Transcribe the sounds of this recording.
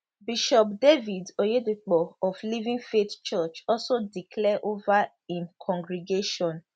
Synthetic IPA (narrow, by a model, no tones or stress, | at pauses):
biʃɔp̚devidojedek͡pɔɔflivĩŋfett͡ʃɔt͡ʃɔsodikʰlɛʔova | ĩnkʰɔ̃ŋɡɾiɡeʃɔ̃n